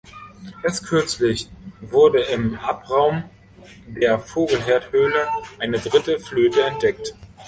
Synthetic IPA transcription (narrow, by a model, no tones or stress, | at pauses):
ʔɛːɐstkʰʏɐt͡slɪçvʊɐdəɪmʔapʁaʊm | deːɐfoːɡl̩ɦeːɐthøːləʔaɪnədʁɪtəfløːtəɛnt̚d̥ɛkt